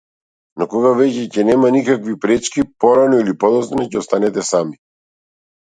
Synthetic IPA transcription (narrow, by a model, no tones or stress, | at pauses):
nɔkɔɡavɛcɛcɛnɛmanikakvipɾɛt͡ʃkipɔɾanɔilipɔd̪ɔsnacɛɔst̪anɛt̪ɛsami